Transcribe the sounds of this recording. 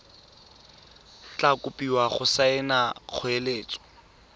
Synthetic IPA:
t͡ɬakʼʊpʼiwaχʊsaɪnaq͡χʰʊeleːt͡sʼɔ̥

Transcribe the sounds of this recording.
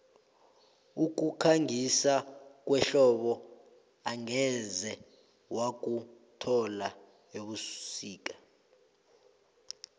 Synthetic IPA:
uk̬ukʰaŋisak̬wɛɬɔɓɔ | aŋɛzɛ | wak̬ʼutʰɔla | eɓusiːk̬ʼḁ

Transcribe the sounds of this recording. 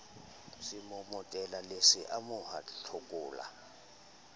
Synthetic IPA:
simɔmɔtʼɛlalesiʔamʊhaɬʰokʼuːla̰

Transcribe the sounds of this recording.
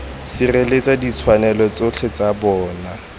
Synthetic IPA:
sɪrelet͡sadit͡sʰwanɛlɔt͡sot͡ɬʰɛt͡sabɔːna

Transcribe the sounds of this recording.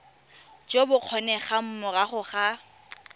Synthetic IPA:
d͡ʒobʊq͡χʰɔnɛχam̩mʊraχʊχa

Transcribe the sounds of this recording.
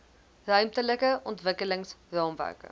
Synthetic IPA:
rœɥmtələkəʔɔntvəkələŋsrɑːmvæ̰rkə̰

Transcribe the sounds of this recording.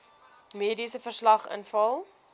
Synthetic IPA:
miːdisəfərslɐχə̰nfɐlˠ

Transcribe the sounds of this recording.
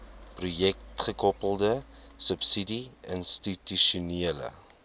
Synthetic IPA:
prujɛktχəkɔpəlˠdəsəpsidiənstityʃuniələ̰

